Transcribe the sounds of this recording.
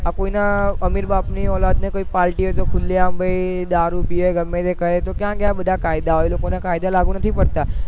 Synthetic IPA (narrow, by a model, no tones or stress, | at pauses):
akoːinaɐmɪɾbaːpniɔːlaːd̪nẽkoːipaːɾʈiɦoet̪okʰʊlːiãmbʱəid̪aːɾupioeɡɐmːẽt̪ekɐɾet̪okjãːkjaːbɐd̪ʱakaːɪd̪aɦoeloːkonẽkaːɪd̪alaːɡunɐt̪ʰipɐɾt̪aː